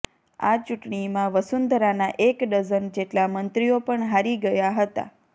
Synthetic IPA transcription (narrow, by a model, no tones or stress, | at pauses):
a̰t͡ʃuʈɳimãʋəsund̪ʱɾanaʔekɖəzənd͡ʒeʈlamənt̪ɾiopəɳɦaɾiɡəjaɦət̪a̰